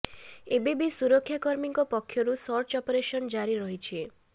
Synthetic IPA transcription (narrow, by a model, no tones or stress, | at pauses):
ebebisuɾɔkʰːjakɔɾmiŋkɔpɔkʰːjɔɾusɔɾt͡ʃɔpɔɾeʃɔnd͡ʒaɾiɾɔɦit͡ʃʰie